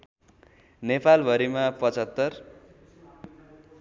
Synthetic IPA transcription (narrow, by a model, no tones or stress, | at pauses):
nepalbʱʌɾimapʌt͡sʌt̪ːʌr